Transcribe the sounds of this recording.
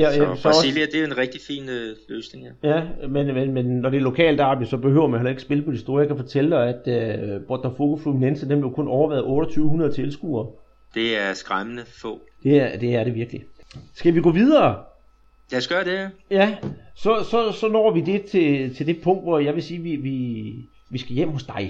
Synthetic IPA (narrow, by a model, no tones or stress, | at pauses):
jæsɒilæd̥e̝æenʁɛɡ̥̚d̥ifḭːnløːsne̝ŋhæjæmenmenmenːɒɾ̥e̝ɐlo̝kʰɛ̰ːld̥æhæʋisɒ̽b̥e̝ɦøʊ̰ɐmænhelɐeɡ̥əsb̥e̝ləpʰɒ̽ɾisd̥o̝ːɐjɑ̈kʰæfɒt͡sʰeləd̥ɑ̈ɪæd̥øb̥ʁɒd̥ɐfoɡ̥ofluminensəd̥enb̥lejokɔ̽nɒʊɐʋæːðˠɔ̽ːɾ̥ɒt͡sʰyːʊhunɐð̞ˠt͡sʰe̝lsɡ̥ṵːɐ | d̥e̝æɐsɡ̥ʁamənəfɔ̰̽ | d̥e̝d̥e̝æɐɾe̝ʋiɐɡ̥lisɡ̥æʋiɡ̥ɔ̰ːʋiðˠɐː | jæsɡ̥ɶɐdejæsɒ̽sɒ̽sɒ̽nɒ̰ːʋid̥e̝t͡sʰe̝t͡sʰe̝ld̥e̝pʰɔ̽ŋ̰d̥ʋɒjɑ̈ɪʋe̝siːʋiʋi | ʋisɡ̥æjem̰ho̽sd̥ɑ̈ɪ